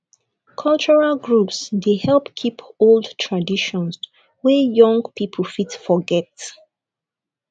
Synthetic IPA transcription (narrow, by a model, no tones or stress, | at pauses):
kʰʌlt͡ʃɔɹalɡɹupsdehɛlpkʰipoldtʰɹadiʃɔ̃ns | wɛjɔ̃ŋɡpʰipʰəlfitfɔɡɛt